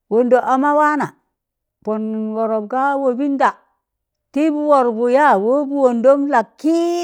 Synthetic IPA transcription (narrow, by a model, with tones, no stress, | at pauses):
wo˨ndo˨ʔa˨ma˦wa˦na˨ | po˨nwo˨ɾo˨bka˦wo˨bi˦nda˨ | ti˦bu˦wo˨ɾbu˨ja˦wo˦bu˦wo˨ndo˦mla˨kːi˦